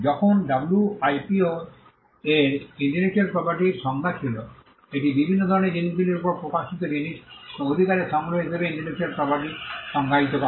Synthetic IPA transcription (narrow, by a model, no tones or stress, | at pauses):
d͡ʑɔkʰonɖabuluajpio | eɾiɳʈinet͡ʃualpɾɔpaɾʈiɾʃɔŋɡat͡ɕʰilo | eʈibibʱinːod̪ʱɔɾoneɾd͡ʑinid͡ʒb̪ileɾupoɾpokaʃit̪od͡ʑiniʃod̪ʱikaɾeʃamneɦoeb̪ʱebeiɳʈinet͡ʃualpɾɔpaɾʈiɾʃɔŋɡʱait̪opa